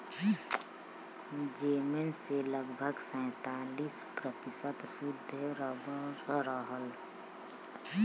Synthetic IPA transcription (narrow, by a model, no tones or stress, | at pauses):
d͡ʒeːmenseləɡbʱəɡsɛ̃ːt̪aːliːspɾət̪ɪsət̪sud̪ʱɾəbəɾəɦəl